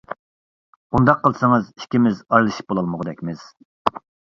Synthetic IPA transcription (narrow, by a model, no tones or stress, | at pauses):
und̪ɑqʰːəlˠsɨŋɨzi̥ʃkʲimɪzɑjlˠɨʃi̥p̚bolˠɑlˠməʁəd̪ɛkʲmɪz̥